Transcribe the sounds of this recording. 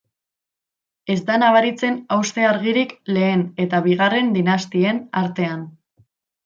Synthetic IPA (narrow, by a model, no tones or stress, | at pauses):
e̞zd̪anaβ̞aɾit͡se̞nawst̪e̞aɾɣ̞iɾikle̞ːne̞t̪aβiɣ̞are̞nd̪inast̪ie̞naɾt̪e̞an